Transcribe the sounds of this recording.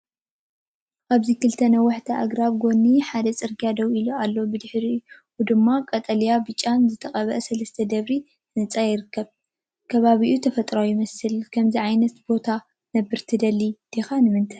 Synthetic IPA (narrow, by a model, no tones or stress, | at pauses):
ʔaβzikʰɨlt̪ʰɐnɐwɐħt̪ʰɐʔaɡɾaβɡo̞nːiħad̪ɐt͡sʼɨɾɡijad̪ɐwiloalːo̞bɨd̪ɨħɾiuwd̪ɨmːakʼɐt̪ʼɐlijabɨt͡ʃʼːanzɨt̪ʰɐχʼɐβɐʔsɐlɐst̪ʰɐd̪ɐβɾi | nɐt͡sʼajɪɾɨkʰːɐβ | kʰɐβaβiʔut̪ʰɐfɐt̪ʼɾojɪmɐsɨlkʰɐmziʕajnɐt̪b̥o̞t̪ʰa | nɐbːɨɾt̪ʰɨd̪ɐlːid̪̥exanɨmɨnt̪ʰaj